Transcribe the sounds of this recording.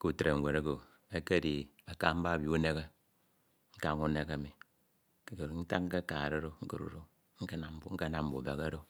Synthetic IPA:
ku˦˨tɾe˨ŋ̩˨wʷe˨ɾe˦ɡo˨ | e˦ke˦˨di˨ | a˨ka˦m̩˦ba˦˨bji˨˦u˦ne˦ɣe˦ | ŋ̩˦ka˦ŋu˦ne˦ke˨mi˨˦ | ke˦kɾn̩˦ta˦k̚ŋ̩˦ke˦ka˨ɾe˦ɾo˦ŋ̩˦ko˨ɾṵ˦ɾo˦ | ŋ̩˦ke˦na˨m˦bu˨˦ŋ̩˦ke˦na˦m̩˦bu˨be˨ɣe˦ɾo˦

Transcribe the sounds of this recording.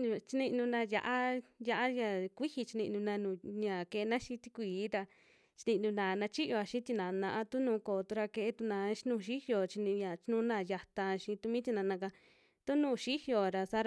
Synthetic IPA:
t͡ʃi˧nĩ˧nũ˧nã˧ja̰˧ʔa˦ja˧ʔa˦ja˧˨kʷi˦hi˧t͡ʃi˧nĩ˧ʔnũ˧nã˧nũ˧˨ɲã˨ke˧e˧nã˦ʃĩ˧˦t̪i˧kʷiː˨˦ɾa˧ | t͡ʃi̥˧nĩ˧nũ˧nã˨nã˧t͡ʃi˦jo˧a˧ʃĩ˦t̪i˧nã˨˧nã˧ʔa˦t̪u˦nũː˧˦koː˨t̪u˧ɾa˧ke˧ʔe˦t̪u˧nã˧˦nũː˦˧˨ʃi˦hjo˨t͡ʃi˧nĩ˧ɲã˨t͡ʃi˧˦nũ˦nã˧˨ja˧t̪ã˧ʃĩ˧t̪u˧mĩ˦t̪i˧nã˧nã˧ka˧ | t̪u˦nũː˦˧˨ʃi˦hjo˨ɾa˧sa˧˦ɾ

